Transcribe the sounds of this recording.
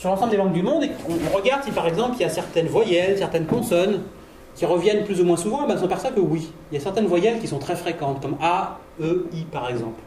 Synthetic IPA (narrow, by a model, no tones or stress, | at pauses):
syʁlɑ̃sɑ̃bld̪elɑ̃ŋɡd̪ymɔ̃d̪eɔ̃ʁəɡaʁd̪sipaʁɛɡzɑ̃pliljasɛʁt̪ɛnvwajɛlsɛʁt̪ɛnkɔ̃sɔn | kʲiʁəvjɛnplyzumwɛ̃suvɑ̃mɛsɔ̃pɛʁswakəwiiljasɛʁt̪ɛnvwajɛlkʲisɔ̃t̪χɛfχekɑ̃t̪kɔma | øipaʁɛɡzɑ̃pl